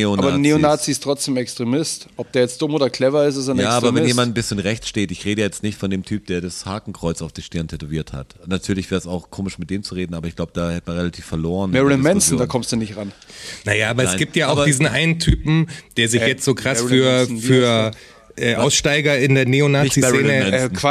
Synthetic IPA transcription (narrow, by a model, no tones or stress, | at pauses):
onaːbɐːneonaːt͡sistʁ̥ɔt͡sd̥eːmɛkstʁ̥emɪstʔɔp̚d̥eːɐjɛt͡std̥ʊmoːdɐkʰl̥ɛvɐɪs̬tasanjaːaːbɐvɛjeːmandn̩bɪsçənʁɛçt͡sʃteːtɪçʁeːdəjaːjɛt͡stnɪçtfɔndeːmtʰyːp̚d̥eːɐdashaːkŋ̩kʁ̥ɔʏt͡saʊfd̥iːʃtɪɐntʰɛtoviːɐtha̰tnatʰyːɐlɪçv̥ɛːɐsaʊxkʰoːmɪʃmɪt̚d̥eːmt͡suʁeːdn̩aːbɐɪçɡ̥laʊbəd̥aːhɛtəmanʁelatʰiːfɛɐloːʁənmɛɹnmɛnsn̩daːkʰɔmstd̥unɪçtʁannajaːaːbɐɛnasɪɡiːp̚tjaːaʊdiːzn̩ʔaɪnəntʰyːpm̩d̥eːɐzɪçjɛt͡stz̥oːkʁ̥afyːɐɐfyːɐ | ʔɛːʔaʊsʃtaɪɡɐɪndeːɐneonaːɪt͡sieːnəmɛn̩̥